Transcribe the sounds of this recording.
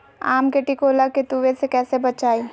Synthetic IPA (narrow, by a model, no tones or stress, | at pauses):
a̰ːmkeʈikoːlaket̪uːʋesekɛːsebɐt͡ʃaːiː